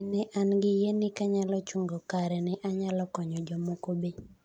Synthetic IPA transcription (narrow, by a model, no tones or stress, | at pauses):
nɛʔanɡɪjenɪkaɲalɔt͡ʃuŋɡɔkaɾɛnɛʔaɲalɔkɔɲɔd͡ʒɔmokobe